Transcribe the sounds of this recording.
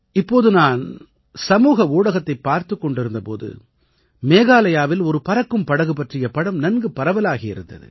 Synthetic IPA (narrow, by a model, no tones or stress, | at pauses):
ɪpːoːðɯnaːn | sɐmuːɣɐuːɽɐɣɐt̪ːɐɪpːaːɾt̪ɯkːɔɳɖɪɾɯnd̪ɐpo̰ːðɯ̰ | meːɣaːlɐjaːʋɪlɔɾɯpɐɾɐkːɯmpɐɽɐɣɯpɐʈrɪjɐpɐɽɐmnɐnɡɯpːɐɾɐʋɐlaːɣɪjɪɾɯnd̪ɐ̰ðɯ̰